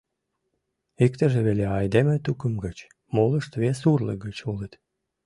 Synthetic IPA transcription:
ikt̪ə̆ʒeβeleɑjd̪emə̆t̪ukəmɡət͡ɕ | molˠəʃt̪βesurlə̰ɡət͡ɕulət̪

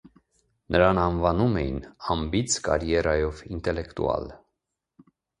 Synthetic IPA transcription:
nʔəɾɑnɑnvɑnumɛjḭnɑmbit͡sʰkɑ̰ɾjɛɾɑjɔvint̪ɛlɛkt̪ṵɑ̰l

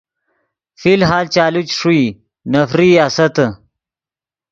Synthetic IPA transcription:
filɦaːlt͡ʃaːlut͡ʃʂui | nɐfɾiaːsɐt̪

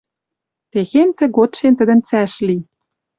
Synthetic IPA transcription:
t̪eɣent̪ɘ̆ɡot̪ʃent̪ə̆d̪ə̆nt͡sæʃli

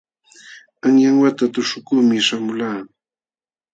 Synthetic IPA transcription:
aŋjaŋwat̪at̪ʊʃʊkumɪʃamʊlaː

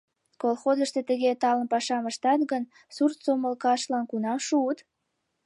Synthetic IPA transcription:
kolxozəʃt̪et̪əɣet̪ɑlənpɑʃɑməʃt̪ɑt̪ɣən | surt̪soməlkɑʃlɑnkunɑmʃuət̪

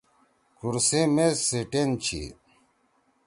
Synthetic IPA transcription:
kuɾsemeseʈent͡ɕʰḭ

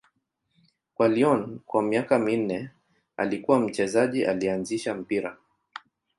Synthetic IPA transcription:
kwaliɔnkwamiakamin̩nɛ | a̰likuwam̩t͡ʃɛzaʄiʔa̰lianziʃam̩piɾa̰

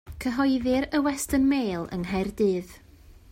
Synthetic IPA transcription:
kʰəɦɔjðɨɾəwɛstənmeːlˠə̰nɦajrdɨːð

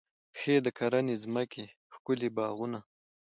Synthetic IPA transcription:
xeːd̪əkʰaɾanezməke | xkʊlebɑːɣʊna

